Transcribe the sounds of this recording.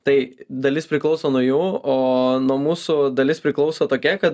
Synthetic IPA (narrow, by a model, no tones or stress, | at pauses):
t̪ɐɪd̪ɐlʲɪspʲɾʲɪklˠɒʊsoːnuɔjuːoːnuɔmuːsʊd̪ɐlʲɪspʲɾʲɪklˠɒʊsoːt̪oːkʲɛkɐt̪